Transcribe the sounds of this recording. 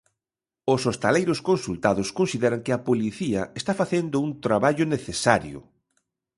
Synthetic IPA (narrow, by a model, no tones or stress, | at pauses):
ʊsost̪alejɾʊskonsult̪aðʊskonsiðɛɾɐŋkɪɐpoliθiɐest̪afaθend̪ʊuŋt̪ɾaβaʎʊneθesaɾjʊ̰